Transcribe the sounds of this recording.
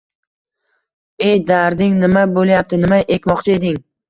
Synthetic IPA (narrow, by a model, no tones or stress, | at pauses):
ejd̪aɾd̪ɪŋnɪmabolˠjap̚t̪ʰɪnɪmaʔekʲmɒqt͡ʃʰae̞d̪ɪŋ